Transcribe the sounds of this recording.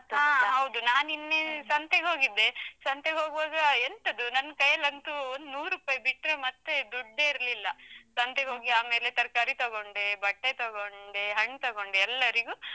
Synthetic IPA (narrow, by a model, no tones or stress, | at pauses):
ɦɐwd̪unaːninːesɐnt̪eɦo̞ːɡid̪ːe̞sɐnt̪eɦoːɡʋaːɡɐent̪ɐd̪unɐnːkɐjɐlɐnt̪uond̪unuːɾupaːjibiʈɾemɐt̪ːed̪uɖːeiɾlilːɐsɐnt̪eɡɦo̞ːɡiaːme̞ːlet̪ɐɾkaːɾit̪ɐɡo̞ɳɖebɐʈːet̪ɐɡoɳɖeɦɐɳːt̪ɐɡoɳɖeɛlːɐɾiɡu